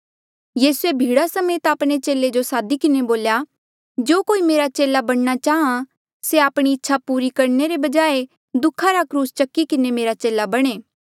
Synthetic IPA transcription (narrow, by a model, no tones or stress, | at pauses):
jiːsuebʱiːɽasɐmeːt̪aːpɽ̃et͡ʃeːled͡ʒosaːd̪ikɪneboːlja | d͡ʒoːkoːimeːɾat͡ʃeːlabɐɽ̃nat͡ʃaːɦã | seaːpɽ̃iɪtːʃʰapuːɾikɐɾneɾebɐd͡ʒaːe | d̪ʊkʰːaɾakɾuːst͡ʃɐkːikɪnemeːɾat͡ʃeːlabɐɽ̃eː